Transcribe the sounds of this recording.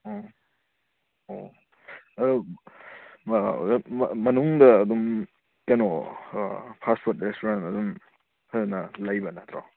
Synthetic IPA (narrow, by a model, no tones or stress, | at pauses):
o | o | ɐdu | mmɐnuŋdɐːd̪um | kano | pʰaspʰoɾt̚ɾestoɾantɐd̪um | kʰaznɐlɐjbɐnat̪ʰɾa